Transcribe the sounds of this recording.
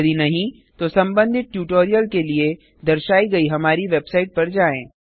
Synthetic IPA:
d̪inɐɦĩ | t̪osɐ̃mbə̃nd̪ʱɪt̪̚ʈjuːʈoːɾijəlkelie | d̪ɐɾʃaːiɡɐiɦɐmaːɾiʋeːbsaːɪʈ̚pɐɾd͡ʒaːẽː

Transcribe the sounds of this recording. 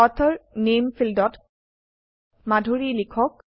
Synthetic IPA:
ɔt̪ʰɔɹnemfʰildɔt | madʱoɹilikʰɔk̚

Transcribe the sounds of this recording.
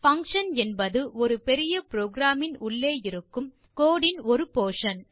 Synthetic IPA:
fɐŋkʂɐnɛnbɐðɯʔɔɾɯpɛɾɪjɐpɾoːɡɾaːmɪnʊɭːeːjɪɾɯkːɯm | koːɽɪnɔɾɯpoːʂɐn

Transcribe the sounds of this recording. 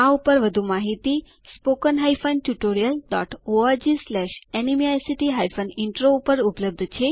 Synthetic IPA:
aupəɾʋəd̪ʱumaɦit̪i | spokənɦaifənʈjuʈoɾijəlɖɔʈoad͡ʒislɛʃɛnimiajsiʈiɦajfʰənɪɳʈɾoupəɾupləb̚d̪ʱt͡ʃʰe

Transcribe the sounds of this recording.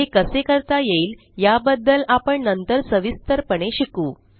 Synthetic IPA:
ekəsekəɾt̪ajeiːl | jabəd̪ːəlapəɳnənt̪əɾsəʋist̪əɾpəɳeɕikuː

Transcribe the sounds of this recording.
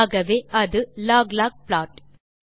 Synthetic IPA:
ɣɐʋeːɐðɯlaːɡlaːk̚plaːʈ

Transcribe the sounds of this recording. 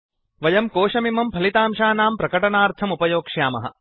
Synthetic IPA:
ʋɐjɐmkoːʂɐmimɐmpʰɐlit̪aːmʃaːnaːmpɾɐkɐʈɐɳaːɾt̪ʰɐmupɐjoːkʂjaːmɐ̰ɦɐ̰

